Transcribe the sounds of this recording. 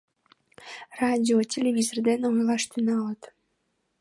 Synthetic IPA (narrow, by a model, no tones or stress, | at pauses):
rɑdʲiotʲelʲevʲizord̪enojlɑʃt̪ynɑlət̪